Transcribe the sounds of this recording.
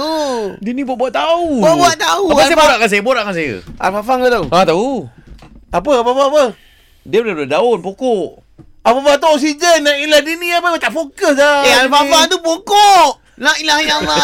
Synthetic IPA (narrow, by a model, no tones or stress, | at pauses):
dinibuaʔbuaʔt̪aubaʔbuaʔt̪auaaajəboɾaʔkansajəboɾaʔkansajə̰a̰lfafaŋət̪oat̪au | apəap̬əapaapə | diədəldaonpokoʔ | apafat̪̬uɔks̬id͡ʒənːaʔilahdiniapəət̪aʔfokəsaealfafat̪upokoʔ | laʔilahiama